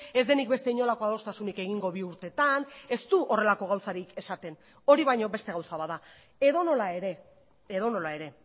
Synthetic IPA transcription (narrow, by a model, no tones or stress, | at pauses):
e̞zd̪e̞nik̚be̞st̪e̞iɲo̞lako̞aðo̞st̪asunike̞ɣ̞iŋɡo̞β̞iuɾt̪e̞t̪ane̞st̪uʔo̞re̞lako̞ɣ̞awsaɾike̞sat̪e̞n | o̞ɾiβajɲo̞be̞st̪e̞ɣawsaβaða | e̞ðo̞no̞laeɾe | eðo̞no̞lae̞ɾe̞